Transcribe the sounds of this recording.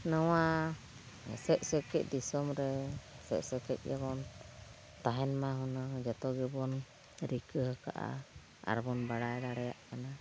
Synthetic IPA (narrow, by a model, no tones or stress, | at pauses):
nawa̰ | sɛʔ̚səkɛc̚ˀd̪isɔmɾɛsɛ̰ʔsɛkɛc̚ˀjaβɔn | t̪aɦɛnmaɦɔnaŋd͡ʒɔt̪ɔɡɛbɔn | ɾikəɦaka̰ʔa̰ | a̰ɾbɔnbaɽajɾaɽɛjaʔkana